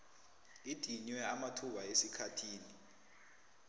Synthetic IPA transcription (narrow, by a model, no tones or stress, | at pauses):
id̥ʱiɲwɛamatʰuɓaesikʰatʰiːni